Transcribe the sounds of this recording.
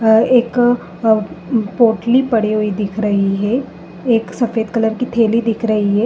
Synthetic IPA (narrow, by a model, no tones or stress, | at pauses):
eːk | poːʈlipɐɽiɦoid̪ɪkʰɾɐɦiɦɛ | eːksɐfeːd̪kɐləɾkit̪ʰeːlid̪ɪkʰɾɐɦiɦɛː